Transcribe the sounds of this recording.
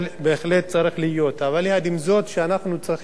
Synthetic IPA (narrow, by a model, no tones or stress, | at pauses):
lbeːχle̞t̪̚t͡saɾiχlijo̞t̪avalːead̪imzo̞t̪ʃeanaχnut͡sʁiχ